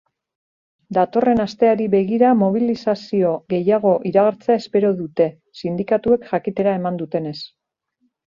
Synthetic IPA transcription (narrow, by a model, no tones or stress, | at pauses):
d̪at̪o̞re̞nast̪e̞aɾiβe̞ɣ̞iɾamo̞β̞ilisasio̞ɣe̞jaɣ̞o̞ʔiɾaɣ̞aɾt͡se̞ae̞spe̞ɾo̞ðut̪e̞ | sind̪ikat̪ue̞kʝakit̪e̞ɾae̞mand̪ut̪e̞ne̞s